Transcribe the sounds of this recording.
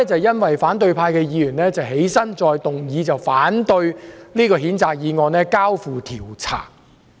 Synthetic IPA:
t͡sɐ˨wjɐ˥nwɐ˨jfaː˨˥nt̪ɵ˧ɥpʰaː˧jkɛː˧jiː˨˧jyː˨˩nlɛː˥t͡sɐ˨wɦe˨˥jsɐ˥nt͡sɔː˧jt̪ʊ˨ŋjiː˨˧t͡sɐ˨wfaː˨˥nt̪ɵ˧ɥliː˥kɔː˧ɦiː˨˥nt͡saː˨k̚jiː˨˧ŋɔː˧nɛː˥kaː˥wfuː˨t̪ʰiː˨˩wt͡sʰa̰ː˨˩k̚

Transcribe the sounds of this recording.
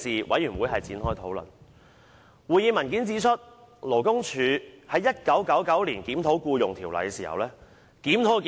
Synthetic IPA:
siː˨wʔɐ̰˨˥jyː˨˩nwuː˨˧˥jɦɐ˨jt͡siː˨˥nɦɔː˥jt̪ʰo˨˥wlɵ̰˨˩n | wuː˨jiː˨˧mɐ˨˩nkiː˨˥nt͡siː˧˥t͡ʃʰɵ˥t̚ | lo˨˩wkʊ˥ŋt͡ʃʰyː˨˧˥hɐ˨˥jːɐ˥t̚kɐ˨˥wkɐ˨˥wkɐ˨˥wliː˨˩nkiː˨˥mt̪ʰo˨˥wkuː˧jʊ˨˩ŋt̪ʰiː˨˩wlɐ̰˨jkɛ˧siː˨˩hɐ̰˨wlɛː˥ | kiː˨˥mt̪ʰo˨˥kː

